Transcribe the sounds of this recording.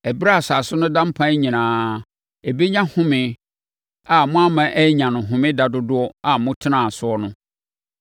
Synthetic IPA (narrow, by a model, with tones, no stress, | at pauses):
ɛ˨bi˦ɾa˦a˨saː˨sʊ˦nʊ̃˦dã˦m̩˦pʰã˦ɲĩ˨nãː˨˦ | e˨be˦ɲã˦hʊ̃˦mɪ̃˦ | a˨mʊ̃˦a˦mã˨ʔɛ˦ɲã˨nʊ̃˨ɦʊ̃˨mɪ̃˦da˨dʊ˦dʊ˦ɔ˦a˨mʊ̃˦tʰɪ˦nã˨sʊ˨˦ɔ˦nʊ̃˦